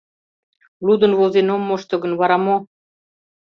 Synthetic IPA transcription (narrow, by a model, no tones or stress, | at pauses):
lud̪ɤ̆nβolzenomːoʃt̪ɤ̆ɣə̆nβɑɾɑmo